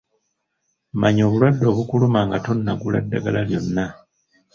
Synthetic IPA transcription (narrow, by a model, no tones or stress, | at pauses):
maɲo̞ːβulwadːo̞ːβukulumaːŋɡato̞nːaɡula̰dːaɡalaljo̞nːa